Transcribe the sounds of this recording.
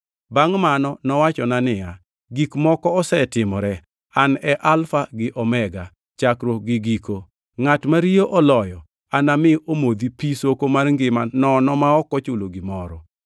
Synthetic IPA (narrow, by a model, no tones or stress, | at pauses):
baŋmanɔnɔwat͡ʃɔnanɪja | ɡikmɔkɔɔsɛtɪmɔɾɛ | anɛʔalfaɡɪʔɔmɛɡa | t͡ʃakɾoɡɪɡiko | ŋatmaɾioʔɔlɔjɔ | anamɪomod̪ipisokomarŋɡɪmanɔnɔmaɔkɔt͡ʃʊloɡɪmɔɾɔ